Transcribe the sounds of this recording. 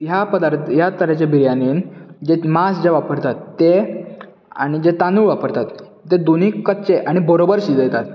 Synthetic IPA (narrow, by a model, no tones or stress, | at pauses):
japəd̪aɾt̪jat̪əɾət͡ɕebiɾjaniːnd͡ʑemasd͡ʑeʋapəɾt̪at̪ːe | a̰ɽ̃id͡ʑet̪anuːɭʋapəɾt̪at̪ː | ed̪un̤iːkːət̪t͡ɕeʔaɽ̃ibəɾobəɾɕid̪jet̪at̪